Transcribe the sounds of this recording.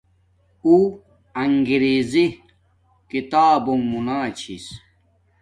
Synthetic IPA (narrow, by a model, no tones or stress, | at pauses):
u | ɐŋɡiɾezi | kit̪aːbommunaːt͡ɕʰis